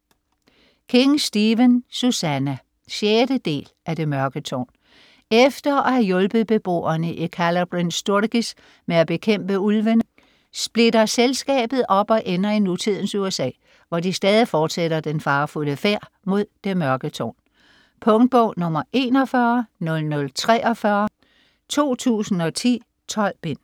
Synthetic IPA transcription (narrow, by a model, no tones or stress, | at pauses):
kʰe̝ŋsd̥iʋənsusænæ | ɕjeːd̥əd̥e̝̰ːlʔæde̝mɶɐɡ̥ət͡sʰɒ̰ːn | efd̥ɐæhæjɔ̽lb̥ð̩ˠb̥e̝b̥o̝̰ːɐnəʔikʰælɐb̥ʁinsd̥uɐɡ̥is | meæb̥e̝kʰem̰b̥əulʋən | sb̥le̝dɐselsɡ̥ɛ̰ːb̥ð̞̩ˠʔɒ̽b̥ɒ̽ʔenɐinut͡sʰið̞̰ˠn̩suesɛ̰ː | ʋɒd̥isd̥ɛːð̞ˠifɒːd̥seɾ̥ɐd̥enfɑ̈ːfuləfeɐ̰ | mo̝ð̰ˠd̥e̝mɶɐɡ̥ət͡sʰɒ̰ːn | pʰɔ̽ŋd̥̚b̥ɔʊ̰nɔ̽mɐʔe̝ːnɒfɶɐnɔ̽lnɔ̽lt͡sʰʁɛːʔɒ̽fɶɐ | t͡sʰo̝̰ːt͡sʰṵːsn̩ɒ̽t͡sʰḭː | t͡sʰɒ̽l̰b̥e̝n̰